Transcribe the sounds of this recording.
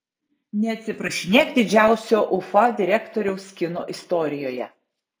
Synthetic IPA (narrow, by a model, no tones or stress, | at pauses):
nʲɛɐt̪ʲsʲɪpɾɐʃʲɪnʲeːkd̪ʲɪd͡ʒʲæˑʊsʲoːʔʊfɐd̪ʲɪɾʲækt̪ɔɾʲɛʊsʲkʲɪno̰ːʔɪst̪ɔɾʲɪjoːjɛ̰